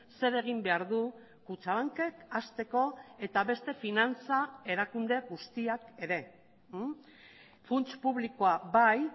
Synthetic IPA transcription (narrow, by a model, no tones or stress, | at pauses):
se̞ɾe̞ɣ̞imbe̞aɾðu | kut͡saβaŋke̞kast̪e̞ko̞e̞t̪aβe̞st̪e̞finant͡sae̞ɾakund̪e̞ɣust̪iake̞ɾe̞ | funt͡ʃpuβlikoabaj